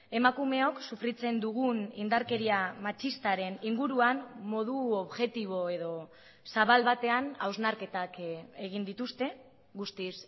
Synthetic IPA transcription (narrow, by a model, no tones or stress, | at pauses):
e̞makume̞o̞ksufɾit͡se̞nd̪uɣunind̪aɾke̞ɾiamat͡ʃist̪aɾe̞niŋɡuɾuanːo̞ð̞uoβʝe̞t̪iβ̞o̞e̞ðo̞ | saβalβat̪e̞anawznaɾke̞t̪ake̞ɣ̞ind̪it̪ust̪e̞ | ɣust̪is